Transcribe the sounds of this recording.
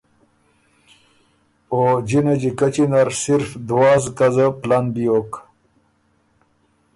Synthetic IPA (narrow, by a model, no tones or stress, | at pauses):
od͡ʑinad͡ʑikat͡ɕinaɾsiɾfd̪waːzkazəplanbijoːk